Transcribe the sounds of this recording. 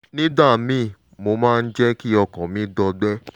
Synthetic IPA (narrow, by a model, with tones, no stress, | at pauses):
nĩ˦da˦˨mĩ˦˨ | mo˧mãː˦˧n̩˦d͡ʒɛ˦ki˦ɔ˧kɔ̃˨mĩ˦dɔ˧ɡ͡bɛ˦